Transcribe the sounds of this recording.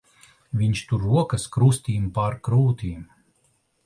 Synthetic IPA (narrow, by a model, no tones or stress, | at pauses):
vʲiɲʲʃt̪uɾːuɔkɐskɾust̪ʲiːmpaɾkɾuːt̪iːm